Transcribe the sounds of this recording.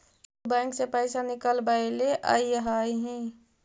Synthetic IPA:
bɛ̃ŋksepəɪsanɪkəlbaeleʔa̰ijəɦajɦĩ

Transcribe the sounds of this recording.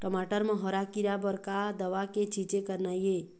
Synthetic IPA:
ʈəmaʈəɾmə̃ɦɔɾakiɾabəɾkad̪əʋaket͡ʃit͡ʃekəɾnaje

